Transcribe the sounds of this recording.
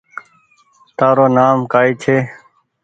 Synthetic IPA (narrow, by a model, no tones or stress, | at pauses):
t̪aːɾoːnaːmkaːiːt͡ʃʰeː